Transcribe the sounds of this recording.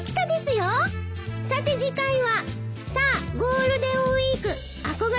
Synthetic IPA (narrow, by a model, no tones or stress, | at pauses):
kʲi̥t̪ad̪e̞sɨjo | sat̪e̞ʑikãĩβasaːɡo̞ːɾɯ̟d̪e̞oiikɯ̟ | ako̞ɡa